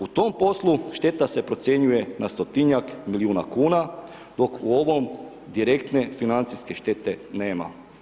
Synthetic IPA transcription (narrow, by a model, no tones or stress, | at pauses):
ut̪o̞mpo̞slˠuʃt̪e̞t̪ase̞pɾo̞t̪sje̞ɲuje̞nast̪o̞t̪iɲakmiliuːnakuːna | d̪o̞kuo̞ʋo̞m | d̪iɾe̞kt̪ne̞finant̪siske̞ʃt̪e̞t̪e̞neːma̰